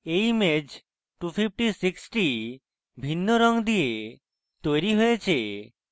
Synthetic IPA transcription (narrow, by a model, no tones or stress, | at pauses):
ejmed͡ʒ | ʈupʰip̚ʰʈisiksʈi | bʱinːoɾɔŋd̪ije | t̪ojɾiɦojet͡ʃʰe